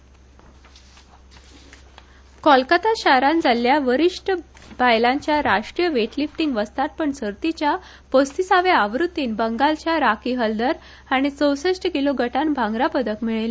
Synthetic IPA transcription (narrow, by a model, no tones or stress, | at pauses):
kɔlkat̪aɕaɾãnd͡zaljaʋəɾiʂʈbajlaɲt͡ɕjaɾaʂʈɾijəʋeʈlifʈiŋɡʋəst̪at̪̚pəɳsəɾt̪it͡ɕja | pəst̪isaʋeaʋɾut̪ːiːnbəŋɡalt͡ɕjaɾakiɦəld̪əɾ | aɽ̃it͡səwsəʂʈəkiloɡʱəʈanbʱãŋɡɾapəd̪əkmiɭela